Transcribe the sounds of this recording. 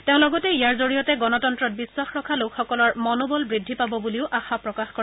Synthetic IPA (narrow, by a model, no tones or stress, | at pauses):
teʊ̃lɔɡɔtɛijaɹzoɹijɔtɛɡɔnɔtɔntɹɔt̚biswaxɹɔkʰalokʰxɔkɔlɔɹmɔnobɔlbɹidʱːipabɔbuliʊʔaxapɹɔkaxkɔ